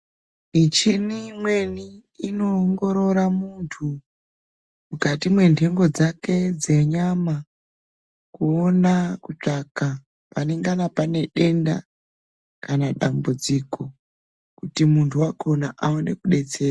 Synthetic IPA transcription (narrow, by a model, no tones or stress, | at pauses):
it͡ʃinimwe̞niːno̞ːŋɡo̞ɾo̞ɾamuntʰu | mukatimwe̞ntʰe̞ŋɡo̞d͡zake̞d͡ze̞ɲama | kuonakut͡ʂaka | pane̞ŋɡanapane̞ɗe̞nda̰ | kanaɗambud͡ziko̞ | kutimuntʰuwako̞naʔaone̞kuɗe̞t͡se̞ːra